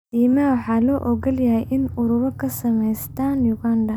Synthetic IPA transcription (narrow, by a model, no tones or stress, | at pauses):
diːmɐwɑħɑːlɔːʔɔɡɐljɐɦɛjʔɪnʊɾʊβɐkʰɐsɐmɛjst̪ʰaːnjʊɡaːndɐ